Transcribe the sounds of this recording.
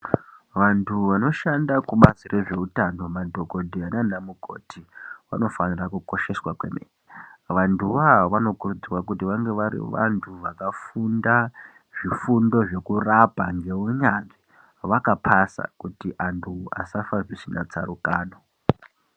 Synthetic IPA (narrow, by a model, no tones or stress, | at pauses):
ʋantʰuʋano̞ʃandakuɓasire̞ʐe̞utano̞madʱo̞ko̞dʱiananamuko̞̰tiʋa̰no̞fanirakuko̞ʃe̞swakwe̞̰mḛːneʋantʰuʋaaʋano̞kurud͡ziwakutiʋaŋɡe̞ʋaɾḭʋa̰ntʰuʋakafunda | ʐifundo̞ʐe̞kurapaŋɡe̞uɲanʐi | ʋakapʰasa̰kutiʔantʰua̰safaʐisina̰t͡sa̰ɾukaːno